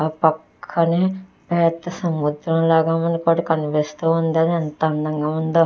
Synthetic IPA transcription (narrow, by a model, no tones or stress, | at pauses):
pɐkʰːɐneː | pɛːt̪ːɐsɐmud̪ɾɐmlaːɡaːmɐnikoːɽɐkɐnipist̪uːund̪ɐnɐnt̪ɐɐnd̪ɐŋɡaːmund̪o